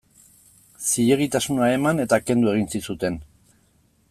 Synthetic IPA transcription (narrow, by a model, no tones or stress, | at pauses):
siʎeɣit̪asunae̞mane̞t̪ake̞nd̪ue̞ɣ̞insisut̪e̞n